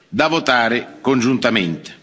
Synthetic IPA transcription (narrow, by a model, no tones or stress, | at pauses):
d̪avot̪aːɾɪkond͡ʒunt̪ament̪e̥